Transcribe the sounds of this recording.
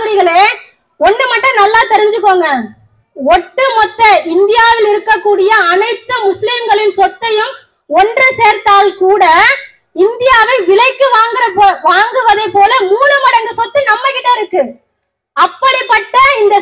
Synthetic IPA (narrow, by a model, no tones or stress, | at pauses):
ɐɾɪɣɐɭeː | ɔndrɯmɐʈːɐ̃nɐlːaːt̪ɛɾɪɲd͡ʒɯk̬ːoːŋɡɐ | ɔʈːɯmɔt̪ːɐɪnd̪ɪjaːʋɪlɪɾɯkːɐkːuːɽɪjɐːnɐɪt̪ːɯmʊslimɡɐɭɪnsɔt̪ːɐjɯm | ɔndrɯseːɾt̪aːlkuːɽɐ | ɪnd̪ɪjaːʋɐɪʋɪlɐɪkːɯʋaːŋɡɪɾɐpoʋaːŋɡɯʋɐðɐɪpːoːlɐmuːlɯmɐɽɐŋɡɐsɔt̪ːɯnɐmːɐkːɪʈːɐɪɾɯkːɯ | ɐpːɐɽipːɐʈːɐɪnd̪ɐ